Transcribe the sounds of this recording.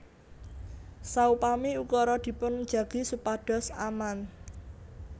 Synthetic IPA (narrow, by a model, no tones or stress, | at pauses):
saupamiukɔɾɔd̪̥i̤pʊn̥d͡ʒ̥a̤ɡ̥i̤supaɖ̥ɔ̤saman